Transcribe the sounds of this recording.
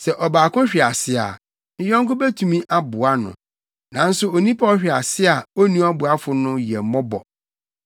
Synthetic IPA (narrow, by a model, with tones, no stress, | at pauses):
sɛ˨ʔɔ˨baː˨kʰʊ̃˦ɕᶣɪ˨a˨sɪ˦a̰˨˦ | jɛ˦ŋ̩˦kʊ˦bɛ˦tʰũ˨mĩ˦ʔa˦bʊ˨a˦nʊ̰̃˨ | nã˨n̩˦sʊ˦o˨nĩ˦pʰa˦ɔ˦ɕᶣɪ˨a˨sɪ˦a˨o˦nũ˦a˦bʊ˨a˦fʊ˦nʊ̃˦jɛ˨mɔ̃˦bɔ̰˨